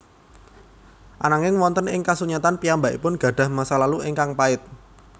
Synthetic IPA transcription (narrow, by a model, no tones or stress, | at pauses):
ʔanaŋɪŋwɔnt̪ənɪŋkasuɲat̪anpiambaʔipʊnɡ̥ä̤ɖ̥ä̤hmasalaluʔɪŋkaŋpaɪt̪̚